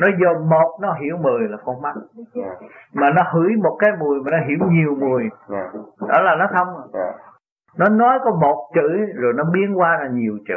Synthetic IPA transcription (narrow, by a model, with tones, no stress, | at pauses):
nɔ˨˦jzo˨˩mo˨˩t̚nɔ˨˦ɦḭ˧˩˥əwmɨ˨˩əjlaː˨˩kɔ˧ŋma˦˥k̚ | maː˨˩nɔ˨˦hɨ̰˧˩˥əjmo˨˩t̚kaː˨˦jmu˨˩əjmaː˨˩nɔ˨˦ɦḭ˧˩əwɲi˨˩əwmu˨˩əj | ɗɔ̰˧˦laː˨˩nɔ˨˦xʰə˧wŋ͡m | nɔ˨˦nɔ˨˦jkɔ˨˦mo˨˩t̚t͡ɕɨ̰˧˨zo˨˩jnɔ˨˦ɓi˧˦ənkwaː˧zaː˨˩ɲi˨˩əwt͡ɕɨ̰˧˨